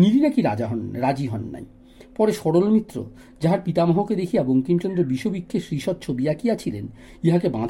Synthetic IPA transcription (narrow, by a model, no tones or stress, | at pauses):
niɾinakiɾa̰d͡ʑaɦɔnɾad͡ʑiɦɔnːa̰j | pɔɾeʃɔɽolmit̪ːɾo̰ | d͡ʑaɦaɾpit̪amɔɦoked̪ekʰieboŋkint͡ɕonɾeɾbiʃːobikʰːeʃɾiʃɔt̪̚t͡ɕʰobiakiat͡ɕʰilen | iɦakebãd̪ʱ